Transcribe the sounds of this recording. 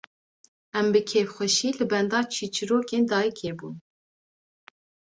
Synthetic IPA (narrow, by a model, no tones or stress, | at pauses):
ɛmbɨkʰeːfxʷɛʃiːlɨbɛnd̪ɑːt͡ʃʰiːt͡ʃʰɨɾoːkeːnd̪ɑːjikʰeːbṵːn